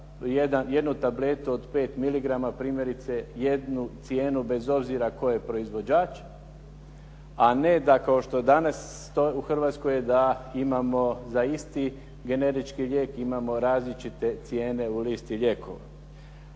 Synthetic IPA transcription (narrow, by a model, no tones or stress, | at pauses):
jed̪anje̞d̪nut̪able̞t̪uod̪pe̞ːt̪miliɡɾamapɾiːmje̞ɾit̪se̞je̞d̪nut̪sje̞ːnube̞zo̞bziɾako̞jepɾo̞izʋo̞d͡ʒaːt͡ʃ | ane̞d̪akao̞ʃt̪od̪anasːt̪o̞uxr̩ʋaːt̪skojed̪aimamo̞zaist̪i | ɡe̞ne̞ɾit͡ʃkiʎʲe̞ːkimamo̞ɾaːzlit͡ʃit̪e̞t̪sje̞ːne̞uliːst̪iʎʲe̞kʰo̰ʋa̰